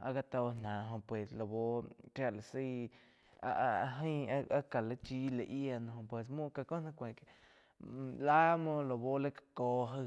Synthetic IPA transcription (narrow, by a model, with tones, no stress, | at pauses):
a˧ka˧t̪o˧nã˨ɦõ˧pwe˨slo˨bo˦ɾja˧la˨si˦˧˦ | a̰˧ʔɦə̃˦˧a˦a˦ka˨le˧t͡ʃi˦le˧˨ʔja˧nõ˧ho˧˨pwe˨s̬mũ˦ka˧ko˦nã˧kʷẽ˨ke˧ | la˦mõ˧lo˨bo˦le˦kḁ˧ko˧ɦə˦˧